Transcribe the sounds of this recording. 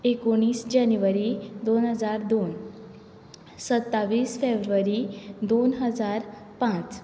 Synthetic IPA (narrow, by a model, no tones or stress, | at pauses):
ekoɽ̃iːsd͡ʑanjuʋəɾid̪onɦəd͡zaɾd̪on | sət̪ːaʋiːsfebɾuʋəɾid̪onɦəd͡zaɾ | pãt͡s